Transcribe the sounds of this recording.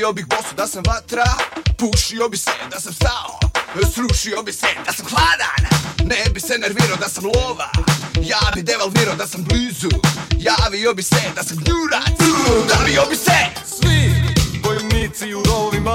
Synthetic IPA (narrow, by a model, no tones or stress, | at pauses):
obixbosud̪asamʋat̪ɾapuʃiobisɛd̪asamst̪ao̰sɾuʃiobisɛd̪asamxlaːd̪a̰nnebisɛneɾviɾaod̪asamlˠoʋa̰jaːbid̪eʋalt̪iɾaod̪asambliːzujaːʋiobisɛd̪asamɡɲuɾa̰d̪aʋiobisɛsʋibojnit̪siuɾolima